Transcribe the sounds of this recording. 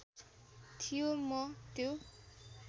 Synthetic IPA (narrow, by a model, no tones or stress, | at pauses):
t̪ʰijomʌt̪jo